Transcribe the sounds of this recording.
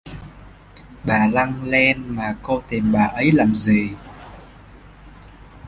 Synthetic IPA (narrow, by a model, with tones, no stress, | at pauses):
ɓaː˨˩la˧ŋlɛ˧nmaː˨˩ko˧t̪i˨˩mɓaː˨˩ʔə˨˦jlaː˨˩mzi˨˩